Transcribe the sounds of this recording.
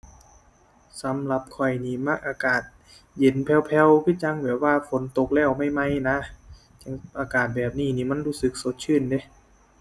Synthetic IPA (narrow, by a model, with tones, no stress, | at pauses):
sa˨˦mla˧˦p̚kʰɔ˨˩jniː˧˩ma˧˥˩k̚ʔaː˧kaː˨˩t̪̚ | je˨˦npʰɛ˧˩wpʰɛ˧wkʰɯː˧˥˩t͡ɕa˧ŋbɛː˨˩˦waː˧fo˨˦nt̪o˧˩k̚lɛː˧˩wma˧˥˩jma˧˥˩jna˧˥ | t͡ɕa˧˥ŋʔaː˧kaː˨˩t̪̚bɛː˨˩p̚niː˧˩niː˧˩ma˧˥˨nɾuː˧˥˩sɯ˨˧˦k̚so˨˦t̪̚t͡ɕʰɯː˧˥˨nde˧˦